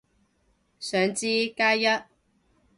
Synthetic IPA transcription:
sœː˨˩ŋt͡siː˧kaː˥jjɐ˥t̚

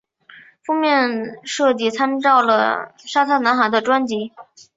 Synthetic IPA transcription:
fu˥˧mjɛ˥˧nʂɤ˥˧t͡ɕi˥˩t͡sʰa˥nʈ͡ʂɑ˥˩ʊlə̰˩ʂa˥t̪ʰa˥˩na˧˥nxa˧˥d̪ə˧ʈ͡ʂwa˥nt͡ɕi˧˥

